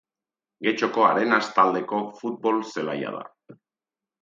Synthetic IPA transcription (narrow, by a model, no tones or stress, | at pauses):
ɡe̞t͡ʃo̞ko̞a̰ɾe̞nast̪ald̪e̞ko̞fut̪̚bo̞lse̞laja̰ð̞a̰